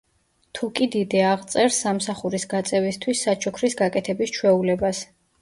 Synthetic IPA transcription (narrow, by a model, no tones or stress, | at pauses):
t̪ʰukʼid̪id̪ɛaʁt̪sʼɛɾsːamsaχuɾisɡat̪sʼɛvist̪ʰwisːat͡ʃʰɔkʰɾisɡakʼɛt̪ʰɛbist͡ʃʰwɛulɛbas